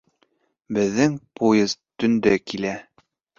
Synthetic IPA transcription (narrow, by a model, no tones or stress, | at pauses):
bɘ̆ðːɘŋpujɤzt̪ɵ̆nd̪ɘkilæ